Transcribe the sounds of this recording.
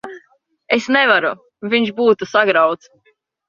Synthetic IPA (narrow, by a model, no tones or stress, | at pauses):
esnɛvaɾu | viɲʲʃbuːt̪usaɡɾawt̪s